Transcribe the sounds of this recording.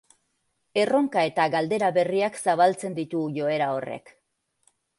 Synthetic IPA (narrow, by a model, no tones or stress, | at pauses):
e̞ro̞ŋkae̞t̪aɣald̪e̞ɾaβe̞riaksaβ̞alt͡se̞nd̪it̪uʝo̞e̞ɾao̞re̞̰k